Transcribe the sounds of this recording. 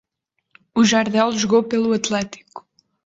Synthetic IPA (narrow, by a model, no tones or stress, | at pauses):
uʒaɾðɛlˠʒuɣowpelˠuɐt̪lˠɛt̪i̥ku̥